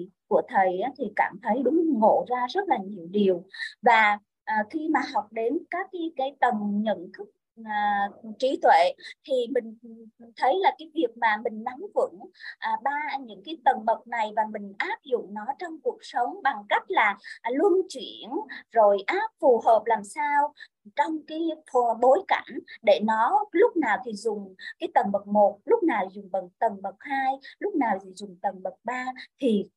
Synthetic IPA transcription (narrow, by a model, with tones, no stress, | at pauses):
ku˧˩ət̪ʰə˨˩jʔaː˨˦t̪ʰi˨˩kaː˧˩mt̪ʰə˨˦jɗʊ˨˦ŋ͡mŋo̰˧˨zaː˧zə˦˥t̚laː˨˩ɲi˨˩əwɗi˨˩əwvaː˨˩ | ʔːxi˧maː˨˩ɦa˨˩wk͡p̚ɗe˨˦nkaː˦˥kːa˨˦jkaː˨˦jt̪ə˨˩nɲə̰˧˨nt̪ʰɨ˦˥k̚ː | t͡ɕi˨˦t̪ʰwḛ˧˨t̪ʰi˨˩mï˨˩ŋ̟t̪ʰə˨˦jlaː˨˩kaː˨˦jvi˨˩ək̚maː˨˩mï˨˩ŋ̟na˨˦mvə̰˧˥nʔɓaː˧ɲɨ̰˧˥ŋkaː˨˦jt̪ə˨˩nɓə˨˩t̚na˨˩jvaː˨˩mï˨˩ŋ̟ʔaː˦˥p̚zʊ̰˧˨ŋ͡mnɔ˨˦t͡ɕɔ˧wŋ͡mku˨˩ək̚sə˨˦wŋ͡mɓa˨˩ŋka˦˥jk̟̚laː˨˩lu˧ənt͡ɕwi˧˩˨ənzo˨˩jʔaː˦˥p̚fu˨˩ɦəː˨˩p̚laː˨˩msaː˧w | t͡ɕɔ˧wŋ͡mkaː˨˦jɓo˨˦jka̰˧˩ŋɗe˧˩nɔ˨˦lʊ˦˥k͡p̚naː˨˩wt̪ʰi˨˩zʊ˨˩ŋ͡mkaː˨˦jt̪ə˨˩nɓə˨˩k̚mo˨˩t̚lʊ˦˥k͡p̚naː˨˩wzʊ˨˩ŋ͡mɓə˨˩k̚t̪ə˨˩nɓə˨˩k̚haː˧jlʊ˦˥k͡p̚naː˨˩wt̪ʰi˨˩zʊ˨˩ŋ͡mt̪ə˨˩nɓə˨˩t̚ɓaː˧t̪ʰi˨˩